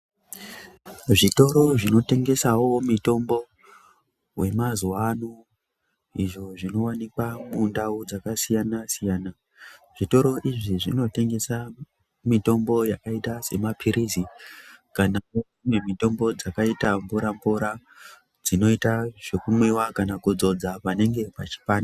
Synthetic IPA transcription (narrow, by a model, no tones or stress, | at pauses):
ʐito̞ɾo̞ʐino̞te̞ŋɡe̞sawo̞mito̞mbo̞ | we̞mazuwano | iʐo̞ʐino̞wanikwamundaud͡zakasijanasijaːna | ʐito̞ɾo̞ʔiʐiʐino̞te̞ŋɡe̞sa | mito̞mbo̞jakaitase̞̰mapʰiɾizikanao | memito̞mbo̞d͡zakaitambuɾambuɾa | d͡zino̞itaʐ̥e̞kumwiwakanakud͡zo̞d͡zapane̞ŋɡe̞pat͡ʃi̥paːn